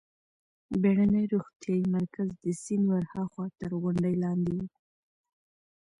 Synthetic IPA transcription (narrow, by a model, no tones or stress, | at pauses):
beɽanəjɾuɣt̪jɑjimaɾkazd̪əsinwaɾhɑxwɑt̪əɾɣʊɳɖəjlɑnd̪iwi